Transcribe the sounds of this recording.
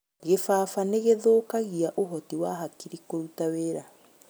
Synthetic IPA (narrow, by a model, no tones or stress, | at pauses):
ɣefaːfaneɣeðoːkaɣiaʔoɦɔtiwaɦakiɾikoɾutaweːɾa